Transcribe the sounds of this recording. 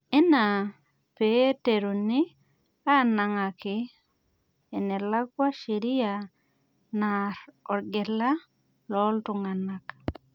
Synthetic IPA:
e˦na˨ | pe˦te˨ɾo˨ni˦ | a˦na˨ŋa˨kɪ | e˨ne˨la˦kwa˦ʃi˨ɾi˦a | naɾɔ˨ɾɡe˨la˦ | lɔ˦ltu˨ŋa˨nak

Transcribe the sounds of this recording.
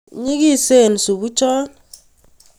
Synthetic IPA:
ɲi˦ki˦˨se˦˨n̩˨su˨bu˦t͡ʃɔ˦

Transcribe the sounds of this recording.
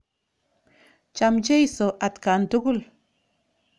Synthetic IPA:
t͡ʃa˨mt͡ʃe˦jso˨ʔa˨t̪ka˨nt̪u˦ɡu˦l

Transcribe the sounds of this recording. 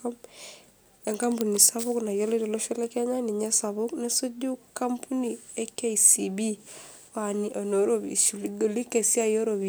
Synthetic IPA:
o˦m | e˨ŋka˦mpu˨ni˨sa˦βu˦kna˨jo˦li˦dɔ˨lo˦ʃɛ˦le˦ke˦ɲa˦ni˨ɲa˦sa˨βu˦kna˦so˦du˦ka˦mpʰu˦ni˨e˦ke˦isi˨bi˦ | wa˨ni˨ʔa˨no˨ɾo˦bḭ˨su˨li˦ɡo˨li˦ke˨si˦a˦˨jo˦ɾobi

